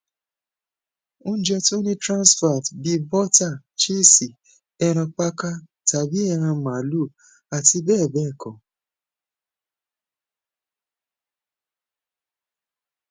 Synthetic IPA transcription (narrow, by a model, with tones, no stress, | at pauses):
õ˦d͡ʒɛ˧to˦nĩ˦tɾã˦nsfa˨tbi˧bɔ˦ta˦˨ | t͡ʃi˦si˨ | ɛ˧ɾ̃ɔ̃˧k͡pa˦ka˦ | ta˨bi˦ɛ˧ɾ̃ã˧mã˨lu˦˨ | a˨ti˧bɛː˦˨bɛ˦˨kʰɔ˨